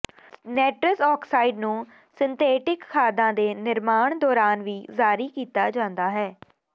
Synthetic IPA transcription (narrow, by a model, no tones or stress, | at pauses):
nɛːʈɾəsɔːkʰsaːɪɖnũː | sɪnt̪ʰeːʈɪkkʰaːd̪ãːd̪eːnɪɾmaːɳd̪ɔːɾaːnʋiːzaːɾiːkiːt̪aːd͡ʒãːnd̪aːɦɛː